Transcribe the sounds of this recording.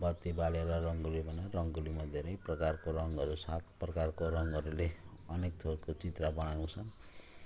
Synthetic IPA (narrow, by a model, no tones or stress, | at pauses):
bʌt̪ːibaleɾʌrʌŋɡulibʱʌnarʌŋɡulimad̪ʱeɾʌjprʌkarkoɾʌŋɡʌɾusat̪̚ʰprʌkarkoɾʌŋɡʌɾuleʌnek̚t̪ʰokot͡sit̪rabʌnaw̃t͡sʰʌn